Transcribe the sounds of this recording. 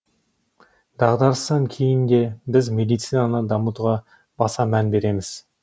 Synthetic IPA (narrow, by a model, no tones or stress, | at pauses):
d̪ɑʁd̪ɑɾst̪ɑŋkʲʰejɪnd̪e̞bɪzmʲe̞d̪ijt̪sijnɑnəd̪ɑmut̪ʁɑ | b̥ɑsɑmænbe̞ɾe̞mɪz̥